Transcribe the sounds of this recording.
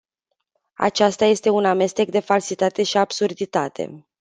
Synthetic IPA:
a̰t͡ʃast̪aje̞st̪e̞uname̞st̪e̞kd̪e̞falsit̪at̪e̞ʃiabsurd̪it̪at̪ʰe̞̰

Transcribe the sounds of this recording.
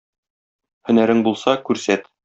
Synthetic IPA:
hɵ̆næɾɘŋbulˠsɑkʉɾsæt̪

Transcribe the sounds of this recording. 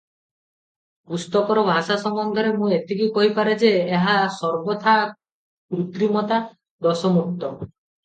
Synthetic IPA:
pust̪ɔkɔɾɔbʱasasɔŋbɔnd̪ʱɔɾemũet̪ikikɔɦipaɾed͡ʒeːɦasɔɾbɔt̪ʰa | kɾut̪ɾimɔt̪a | d̪ɔsɔmuk̚t̪ɔ

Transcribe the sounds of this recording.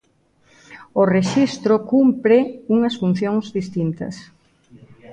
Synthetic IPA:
oreʃist̪ɾokumpɾɪuŋɐsfun̟θjoŋzðist̪int̪ɐ̰s

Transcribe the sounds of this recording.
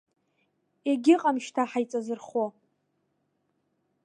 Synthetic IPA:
eɡʲɪqʼamʃtʰaħajt͡sʼazɨrχo

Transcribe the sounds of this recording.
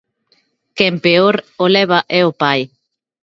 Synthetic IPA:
kempeoɾolɛβ̞aʔɛopaj

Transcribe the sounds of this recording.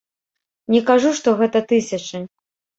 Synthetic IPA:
nʲɛkaʐuʂt̪ɔɣɛt̪ɐt̪ɨsʲɐt͡ʂɨ

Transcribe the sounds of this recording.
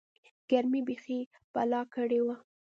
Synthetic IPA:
ɡ̥aɾmibexi | balɑkəɽewa

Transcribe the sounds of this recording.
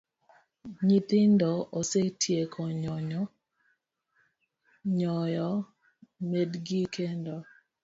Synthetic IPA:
ɲit̪ɪndɔʔosetʰjekʰɔɲɔɲɔ | ɲɔjɔ | medɡikʰendɔ

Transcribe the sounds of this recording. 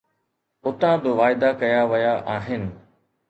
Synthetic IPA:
ʊt̪ãbɪʋaːɪd̪akɐjaʋɐjaʔaːɦɪnɪ̆

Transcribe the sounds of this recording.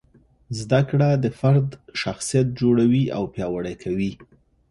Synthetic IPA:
zd̪akɽad̪əfaɾd̪ʃaxsijat̪̚d͡ʒoɽawia̰wpjɑwaɽajkʰawi

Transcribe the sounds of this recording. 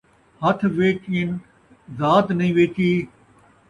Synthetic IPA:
hɐt̪ʰʋeːt͡ʃɪn | zaːt̪nəĩːʋeːkiː

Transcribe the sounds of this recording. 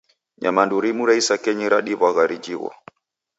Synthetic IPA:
ɲa̰manduɾimuɾaisakɛɲiɾaɗiβaɣaɾid͡ʒiɣɔ̰

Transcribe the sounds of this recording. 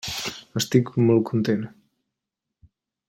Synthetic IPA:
əst̪ikumolˠkʰunt̪en

